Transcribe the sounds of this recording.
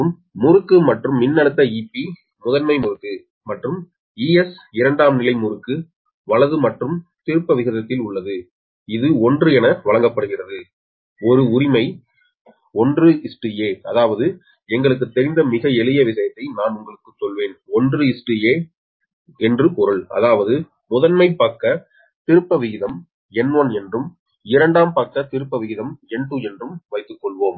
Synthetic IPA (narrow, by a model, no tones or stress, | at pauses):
ɯmː | ʊrɯkːɯmɐʈrɯmːɪnːɐɽɯt̪ːɐiːpːi | mʊðɐnmɐɪmʊrɯkːɯ | mɐʈrɯm | iːɛs | ɪɾɐɳɖaːmnɪlɐɪmʊɾɯkːɯ | ʋɐɭɐðɯmɐʈrɯmt̪ɪɾɯpːɐʋɪɣɐðɐt̪ːɪlʊɭːɐðɯ | ɪðɯɔndrɯɛnɐʋɐɭɐŋɡɐpːɐɽɯɣɪrɐðɯ | ɔɾɯʊɾɪmɐɪ | ɔndrɯɪsʈːɯjeːɐðaːʋɐðɯ | ɛŋɡɐɭɯk̬ːɯt̪ːɛɾɪnd̪ɐmɪɣɐɛlɪjɐʋɪʂɐjɐt̪ːɐɪnaːnʊŋɡɐɭɯkːɯt͡ʃːɔlʋeːnɔndrɯɪsʈɯjeː | ɛndrɯpɔɾɯɭɐ̰ðaːʋɐðɯ | mʊðɐnmɐɪpːɐːkːɐ | t̪ɪɾɯpːɐʋɪɣɪðɐm | ɛnʋonɛndrɯm | ɪɾɐɳɖaːmpɐːkːɐt̪ɪɾɯpːɐʋɪɣɪðɐmɛɳʈuɛndrɯmʋɐɪt̪ːɯkːɔɭʋoːm